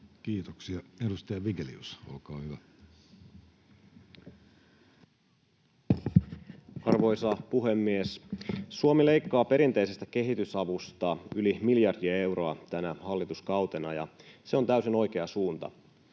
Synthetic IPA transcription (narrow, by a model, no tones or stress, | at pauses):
kiːt̪oksiɑedust̪ɑjɑʋiɡelḭusolkɑːhyʋæ | ɑrʋo̞jsɑpuɦe̞mːiessuomile̞jkːɑːpe̞ɾint̪e̞ise̞st̪æke̞ɦit̪ysɑʋust̪ɑylimiljɑrdiɑe̞wro̞ɑt̪ænæhɑlːit̪uskɑwt̪enɑjɑ̰se̞ont̪æysino̞jkeɑsuːnt̪ɑ̰